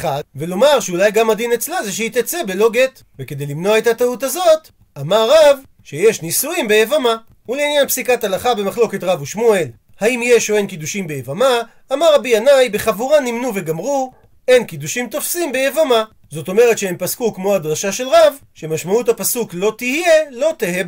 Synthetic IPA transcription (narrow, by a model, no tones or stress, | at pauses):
avelo̞maʁʃeulajɡamadinet͡slazeʃ̬eit̪at͡sebe̞lo̞ɡe̞t̪ | veke̞dejlimno̞aethatautazo̞t | amaʁːav | ʃejeʃnisuimbe̞jevama | uleinjanpsikatalaχabe̞maχlo̞ke̞tʁavuʃmue̞l | haimjeʃoenkid̪uʃimbe̞jevamaː | maʁabianajbe̞χavuʁanimnuve̞ɡamʁu | e̞nkid̪uʃimt̪o̞fsimbejevama | zo̞to̞me̞ʁe̞t̪ʃehempaskukmo̞ad̪ʁaʃaʃe̞lʁav | ʃe̞maʃmauthapasuklo̞tihije̞lo̞t̪eheb